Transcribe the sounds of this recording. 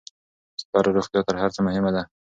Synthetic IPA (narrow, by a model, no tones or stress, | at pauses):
st̪ɑɾaɾoχt̪jɑt̪əɾɦaɾt͡səmʊhɪmad̪a